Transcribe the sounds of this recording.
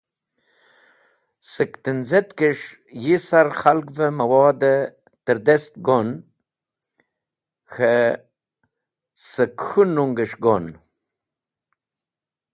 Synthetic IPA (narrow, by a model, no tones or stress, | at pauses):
səkt̪ənzet̪kəʂ | jisaɾχalkvəmɐwɑːd̪ə | t̪əɾd̪est̪ɡon | xə | səkxunuŋɡəʂɡon